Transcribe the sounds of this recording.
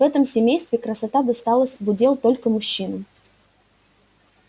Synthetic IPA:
vɛt̪əmsʲɪmʲejst̪vʲɪkɾəsɐt̪ad̪ɐst̪alˠəsʲvʊdʲe̞lˠt̪o̞lʲkəmʊɕːinɨ

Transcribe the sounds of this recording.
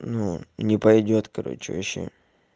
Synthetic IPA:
nunʲɪpɐjdʲot̪kɐɾo̞̰t͡ɕɪ̰vɐɕḛ

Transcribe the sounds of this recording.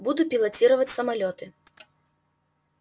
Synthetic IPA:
bud̪upʲilˠat͡sʲiɾɐvɐt͡sʲsɐmalʲɔt̪ɨ

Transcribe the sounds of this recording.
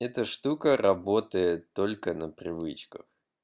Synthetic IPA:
ɛt̪əʂt̪ukərʔɐbo̞t̪əjɪt̪ːo̞lʲkənəpɾʲɪvɨt͡ɕkəx

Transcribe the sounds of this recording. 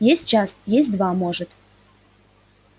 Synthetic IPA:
jesʲt̚ʲt͡ɕɑsjes̬̚ʲd̪vɑmoʒət̪

